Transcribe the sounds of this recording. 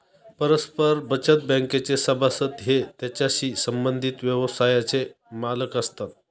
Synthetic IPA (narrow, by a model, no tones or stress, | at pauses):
pəɾəspəɾbət͡ɕət̪̚bə̃ŋket͡sesəbʱasət̪ɦet̪jat͡ɕjaɕiːsəmbənd̪ʱit̪ʋjəʋəsajat͡se | maləkəst̪at̪̚